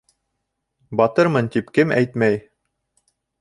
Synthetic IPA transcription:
bɒt̪ɤɾmɤnt̪ipkɘmæ̰jt̪mæj

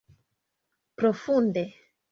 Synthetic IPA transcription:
pɾofund̪e

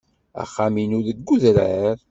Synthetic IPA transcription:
æ̰χːaminʊɾðəɡːuðɾæɾ

